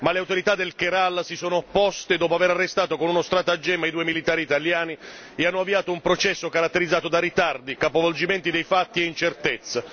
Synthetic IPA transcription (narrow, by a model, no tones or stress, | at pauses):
maleawt̪oɾit̪ad̪elkeɾalsisoːnopːɔst̪ed̪ɔːpoaveɾarːest̪aːt̪okonunost̪ɾaːt̪ad͡ʒːɛːmajd̪uːemilit̪aːɾiːt̪aljaːni | eanːoavːiaːt̪oumpɾot͡ʃɛsːokaɾat̪ːeɾid̪zːaːt̪od̪arit̪ard̪ikapovold͡ʒimɛnt̪id̪ejfat̪ːieint͡ʃert̪ɛt̪sːa